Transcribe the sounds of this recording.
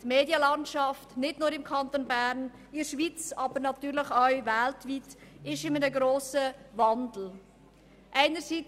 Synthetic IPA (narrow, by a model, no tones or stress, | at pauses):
tmeːdjəlɑntʃɑftnɪdnʊːɾɪmkʰɑnt̪onbæɾn | ɪɾʃvit͡sɑːbəɾnɑtyːɾləχaɥvæltvitɪʃɪmənəɡɾoːsəvɑndl̩ | ʔæɪnəɾsi